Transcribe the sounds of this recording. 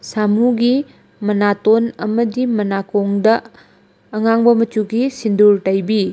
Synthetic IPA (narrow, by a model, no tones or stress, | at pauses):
samuɡi | mɐnatonɐmɐdimɐnakoŋdɐː | ŋaŋbɐmɐt͡ʃuɡisinduɾtɐjbi